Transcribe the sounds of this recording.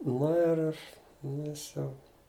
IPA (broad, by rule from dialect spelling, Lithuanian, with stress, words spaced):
ˈnʊ ɪr ɪʃ ˈjɪs ˈjɛʊ